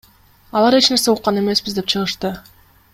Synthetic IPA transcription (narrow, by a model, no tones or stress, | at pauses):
ɑlˠɑɾe̞t͡ʃne̞ɾse̞uqːɑne̞me̞sbizd̪e̞p̚t͡ʃʰɯʁɯʃt̪ɯ